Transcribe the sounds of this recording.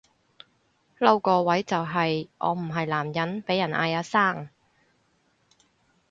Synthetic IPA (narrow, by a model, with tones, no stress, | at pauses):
lɐ˥wkɔː˧wɐ˨˥jt͡sɐ˨wɦɐ˨jʔɔ̰ː˨˧m̩˨˩ɦɐ˨jlaː˨˩mjɐ˨˥npe˨˥jɐ˨˩nʔa̰ː˧jaː˨˧˥saː˥˩ŋ